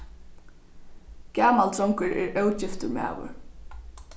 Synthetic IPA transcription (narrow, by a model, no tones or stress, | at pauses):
kæːmalt̪ʰɾɔŋkəɹɛ̰ɹœwt͡ʃɪft̪ʊma̰ːʋʊ̰ɹ